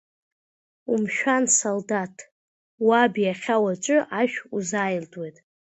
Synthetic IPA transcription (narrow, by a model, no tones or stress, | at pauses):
umʃᶣansoldatʰ | wabijaχʲawat͡ʃʷʼɨʔaʃᶣuzajldʼwe̞jtʼ